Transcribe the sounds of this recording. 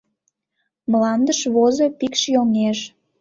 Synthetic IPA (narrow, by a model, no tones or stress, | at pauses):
mlɑnd̪əʃβozopikʃjoŋeʃ